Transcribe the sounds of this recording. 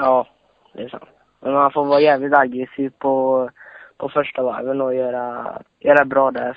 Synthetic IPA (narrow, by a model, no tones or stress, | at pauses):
jɑː | d̪ɛsa̰nt̪ | mɛnmanfoːvɑːjæːvlɪt̪aɡɾɛsiːvpʰɔ | pʰɔfœʂʈava̰vənɔjøːɾajœːɾabɾɑːd̪ɛ